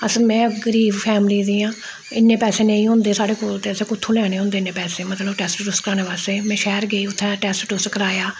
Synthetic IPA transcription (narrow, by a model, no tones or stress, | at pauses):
əsəlmɛ̃ːɡəɾiːbpʰɛːmliːd̪iːãː | ɪnːeːpɛːseːnẽːĩːɦʊ̃nd̪eːsaːɖeːkoːlt̪eːəseːkʊt̪ʰːũːlɛːɽ̃eːɦʊ̃nd̪eːɪnːẽːpɛːseːmət̪ləbʈɛːsʈʈʊskəɾaːñeːʋaːst̪eːmɛ̃ːʃɛːɾɡeiːʊt̪ʰːɛ̃ːʈɛːsʈʈʊskəɾaːjaː